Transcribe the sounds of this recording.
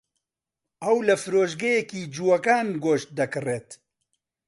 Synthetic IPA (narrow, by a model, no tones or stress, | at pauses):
ɐwlɐfɨɾoːʃɡɐjɛkiːd͡ʒuwɐkaːnɡoːʃt̪̚d̪ɐkɨreːt̪